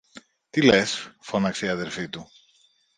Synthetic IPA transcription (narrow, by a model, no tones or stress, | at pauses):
t̪ile̞sfo̞nɐkseiɐðe̞ɾfit̪u